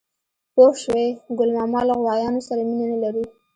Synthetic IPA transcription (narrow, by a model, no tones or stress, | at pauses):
poʃweɡʊlmɑmɑlaɣwɑjɑnosaɾaminanalaɾu